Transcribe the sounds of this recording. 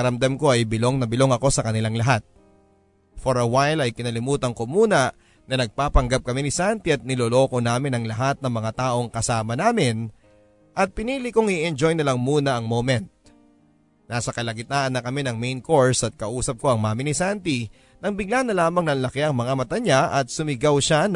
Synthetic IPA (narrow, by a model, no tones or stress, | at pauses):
kɐɾɐmd̪amko̞ʔɐjbɪlo̞ŋnɐbɪlo̞ŋɐko̞sɐkɐnɪlaŋlɐɦat̪̚ | foɾɐwajlɐjkɪnɐlɪmuːt̪ɐŋko̞muːnɐ | nɐnɐɡ̚paːpɐŋɡap̚kɐminɪsant̪iɐt̪̚nɪlolo̞ːko̞naːmɪnɐŋlɐɦat̪̚nɐŋmɐŋat̪aːʔo̞ŋkɐsaːmɐnaːmɪn | ʔɐt̪̚pɪniːlɪkoŋɪʔɛnd͡ʒo̞jnɐlaŋmuːnɐʔɐŋmomɛnt̪̚ | naːsɐkɐlɐɡɪt̪aːʔɐnːɐkɐmɛnɐŋmejnko̞ɹsɐt̪̚kɐʔuːsɐp̚ko̞ɐŋmaːmɪnɪsant̪i | nɐŋbɪɡ̚lanɐlaːmɐŋnɐnlɐkɪɐŋmɐŋamɐt̪ɐɲaʔɐt̪̚sʊmɪɡawʃan